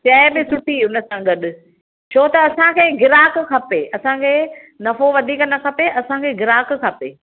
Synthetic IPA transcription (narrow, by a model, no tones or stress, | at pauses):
t͡ɕɐːɪbɪ̃sʊʈʰiʊnə̆sãɡɐɗʊ̆ | t͡ɕʰoːt̪ɐːsãkʰeːɡɪɾaːkkʰɐpeːʔɐsãkʰeː | nɐfoʋɐd̪ʱiːknɐkʰɐpeʔɐsãkʰeːɡɪɾaːkkʰɐpḛː